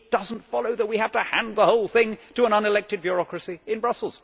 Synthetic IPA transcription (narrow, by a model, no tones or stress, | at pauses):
d̥ʌzn̩tfɑlˠoʊðət̚wihæftəhæ̃nðəhoʊlˠθɪ̃ŋtəə̃nʌ̃nɨlɛk̚tɨd̚bjɹɑkɹɨsiɨ̃nbɹʌsl̩ˠz̥